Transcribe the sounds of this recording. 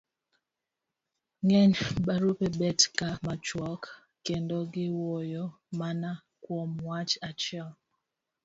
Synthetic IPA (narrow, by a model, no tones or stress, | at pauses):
ŋɛɲbaɾupebɛtkamat͡ʃwɔkː | endoɡɪwɔjɔ | mana | kwɔmwat͡ʃat͡ʃɛl